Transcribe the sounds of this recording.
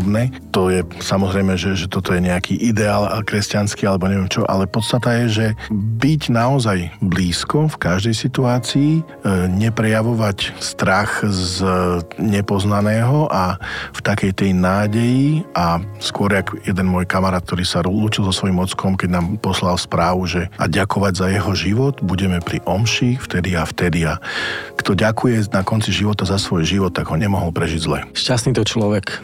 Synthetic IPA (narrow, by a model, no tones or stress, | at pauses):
bnɛ | t̪ɔjɛsamɔzɾɛjmɛʒɛʒɛt̪ɔt̪ɔjɛɲɛakʰiʔid̪ɛaːlkɾɛscanskialɛbɔɲɛʋɪɛmt͡ʃɔʔa̰lɛpɔt̪st̪at̪ajɛʒɛbiɟnaɔzajbliːskɔfkaʒd̪ɛjsit̪uaːt͡sii | ɲɛpɾɛjaʋɔʋacst̪ɾaxz | ɲɛpɔznanɛːɦɔʔaft̪akɛjt̪ɛjnaːɟɛjiaskʊɔɾjaɡjɛd̪ɛnmɔːjkamaɾaːt̪̚k̚t̪ɔɾiːsaɾluːcilˠzɔsʋɔjimɔt̪t͡skɔmkɛɟnaːmpɔslalspɾaːʋuʒɛa̰ɟakɔʋaɟzajɛɦɔʒiʋɔd̪buɟɛmɛpɾiʔɔmʃift̪ɛd̪iaft̪ɛd̪iakt̪ɔɟakujɛnakɔnt͡siʒiʋɔt̪azasʋɔjʒiʋɔt̪ːaɡɦɔɲɛmɔɦɔlpɾɛʒiɟzlɛ̰ʃcasniːt̪ɔt͡ʃlɔʋɛk